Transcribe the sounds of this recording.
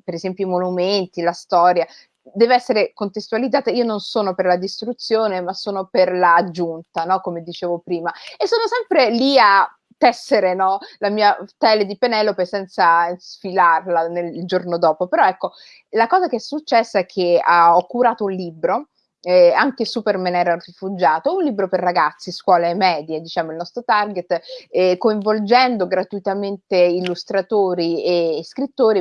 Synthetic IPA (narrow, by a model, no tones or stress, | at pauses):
peɾezɛmpjoimonument̪ilast̪ɔːɾja | d̪ɛːveɛsːeɾekont̪est̪ualid̪zaːt̪aiːononsoːnoperlad̪ist̪ɾut̪sːjoːnemasːoːnoperlaːd͡ʒːunt̪anɔkomed̪it͡ʃeːvopɾiːmaesːoːnosɛmpɾelia | t̪ːɛsːeɾenɔlamiːat̪ɛled̪ipenɛlːopesɛnt̪sasfilarlaneld͡ʒornod̪ɔːpopeɾɔɛkːo | lakɔːzakeɛsːut͡ʃːɛsːaɛkʰːeaɔkːuɾaːt̪ounliːbɾo | aŋkesupermenɛːɾaurifud͡ʒaːt̪ounliːbɾoperːaɡat̪sːiskwɔːlemːɛːd̪jed̪it͡ʃaːmoilnɔst̪ɾot̪arɡet̪ːkoiɱvold͡ʒɛnd̪oɡɾat̪uit̪ament̪eilːust̪ɾat̪oːɾieskɾit̪ːoːɾi